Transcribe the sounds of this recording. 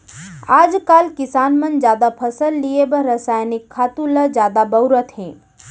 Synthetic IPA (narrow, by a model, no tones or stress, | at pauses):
ad͡ʒkalkisaːnmənd͡ʒjad̪apʰəsəlːijebəɾəsajnikʰːat̪uləd͡ʒjad̪abəʊɾət̪ɦẽ